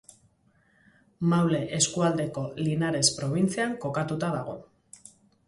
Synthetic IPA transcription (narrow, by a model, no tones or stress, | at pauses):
mawle̞ʔe̞skuald̪e̞ko̞linaɾe̞spɾo̞β̞int͡siaŋko̞kat̪ut̪aðaɣ̞o̞